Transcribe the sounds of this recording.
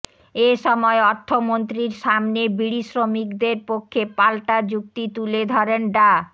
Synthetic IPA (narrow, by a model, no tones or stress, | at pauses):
eʃɔmɔeɔɾt̪ʰːomont̪ɾiɾʃamnebiɽiʃɾomikd̪eɾpokʰːepalʈad͡ʑuk̚t̪it̪uled̪ʱɔɾenɖa